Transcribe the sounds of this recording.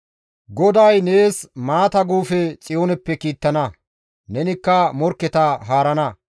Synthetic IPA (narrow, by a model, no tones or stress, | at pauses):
ɡɔd̪ɐjne̞ːsmaːt̪ɐɡuːfɛt͡sʼɪjoːnɛpːɛkiːt̪ːɐnɐ | nɛnɪkːɐmɔɾkːɛt̪ɐɦaːɾɐnɐ